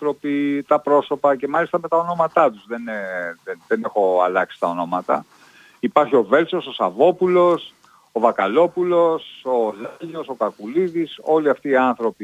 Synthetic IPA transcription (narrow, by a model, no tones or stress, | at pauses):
θɾo̞pit̪ɐpɾo̞so̞pɐce̞mɐlist̪ɐme̞t̪ɐo̞no̞mɐt̪ɐt̪uzðe̞neðenðenexo̞ɐ̰lɐksi̥t̪ɐo̞no̞mɐt̪ɐ̰ | ipɐɾçio̞ve̞lso̞sosɐvo̞pulo̞s | ovɐkɐlo̞pulo̞so̞lʎo̞so̞kɐkuliðiso̞liɐft̪iːɐnθɾo̞pi